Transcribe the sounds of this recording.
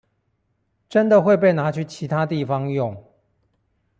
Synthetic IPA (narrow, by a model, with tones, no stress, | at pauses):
ʈ͡ʂə˦nd̪ə˨xwe˥˧ɪp̬e˥˩ɪna˨˧˥t͡ɕʰy˥˨t͡ɕʰi˨˥t̪ʰa˦t̪i˥˨fɑ˦ŋjʊ˥˨ŋ